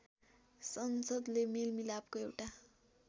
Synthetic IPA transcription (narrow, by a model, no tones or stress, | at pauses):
sʌnsʌd̪lemilmilab̚koewʈa